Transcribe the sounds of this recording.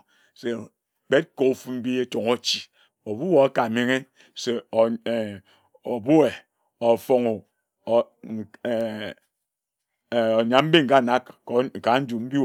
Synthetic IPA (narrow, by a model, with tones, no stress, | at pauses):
se˨ | k͡pe˦t̚ko˨u˦fu˦m̩˦bi˦e˦to˨ŋo˦t͡ʃi˨ | o˨bu˦wo˨a˦ka˨me˨ŋe˦ | se˨ | o˨bu˦e˨ | o˨fo˨ŋo˨ | o˨ɲa˨m̩˦bi˦ŋ̩˨ka˦˨na˦kːka˨˦n̩˦d͡ʒu˨m̩˦bi˦